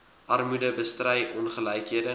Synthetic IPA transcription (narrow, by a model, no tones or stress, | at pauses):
ʔɐrmudəbəstrɛjʔɔnχəlɛjkɦiədə